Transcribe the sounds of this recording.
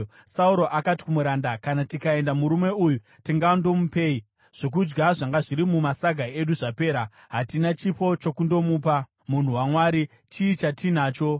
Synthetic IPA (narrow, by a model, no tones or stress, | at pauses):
sauɾo̞ʔakati̥kumuɾandakanatikae̞ndamuɾume̞uju | tiŋɡando̞mupe̞i | ʐ̥o̞k̬ud͡ʒɡaʐaŋɡaʐiɾimumasaɡʱae̞ɗuʐape̞ːɾa | ɦatinat͡ʃipo̞t͡ʃo̞kundo̞muːpa | mun̤uwamwaːɾi | t͡ʃiːt͡ʃatʰinaːt͡ʃo̞